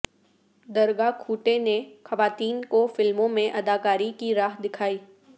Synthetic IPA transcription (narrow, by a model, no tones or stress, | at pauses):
d̪ɐɾɡakʰuːʈenexɐʋaːt̪iːnkofɪlmõmẽʔɐd̪aːkaːɾikiɾaːɦd̪ɪkʰaːiː